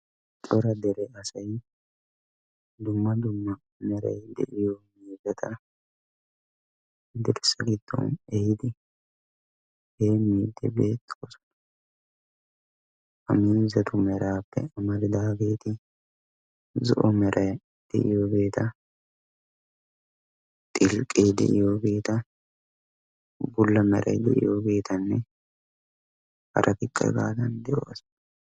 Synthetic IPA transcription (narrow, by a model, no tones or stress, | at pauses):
t̪ʼɔɾɐd̪ɛɾɛɐsɐj | d̪ʊmːɐd̪ʊmːɐ | mɛɾɐ̰jd̪ɛ̰ʔɪjɔmiːzɐt̪ʰɐ | ɪd̪ɛɾsɐɡɪd̪̥ːɔ̰nɛhɪd̪ɪ | heːmiːd̪ːɪ̰bḛːt̪ːɔsɔ̥n | ʔɐmiːnzɐt̪ʊmɛɾaːpːɛ̰ɐmɐɾd̪aːɡeːt̪ɪ | zɔ̰ʔɔmɛɾʔɐ | d̪̥ɛ̰ʔɪ̰jobe̞ːt̪ɐ | t̪ʼɪlkʼeːd̪ɛ̰ʔɪjobeːt̪ɐ | bʊlːɐmɛ̰ɾʔɐ̰d̪ɛ̰ʔɪ̰joːbeːt̪ɐnːɛ | hɐ̰ɾʔɐk̪ɪkʼːɐ̰ɡa̰ːt̪ɐnd̪ɛʔo̰ːs